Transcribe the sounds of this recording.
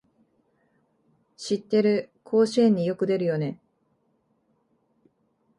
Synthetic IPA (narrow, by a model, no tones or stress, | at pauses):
ɕit̪ːe̞ɾɯ̟kʰo̞ːɕiẽɲ̟ːijo̞kɯ̟d̪e̞ɾɯ̟jo̞ne̞